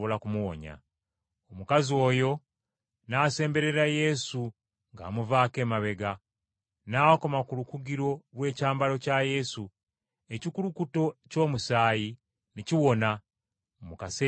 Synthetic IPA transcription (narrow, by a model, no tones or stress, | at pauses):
olakumuwo̰ɲa̰ | omukazio̞ːjo̞ | naːse̞ːmbe̞ɾe̞ɾaje̞su | ŋɡa̰ːmuvaːke̞ːmaβe̞ɡa | naːko̞makulukuɡiɾo̞βwe̞ːcaːmbalo̞caje̞su | e̞cikulukuto̞co̞ːmusaːji | niciwo̞na | mukase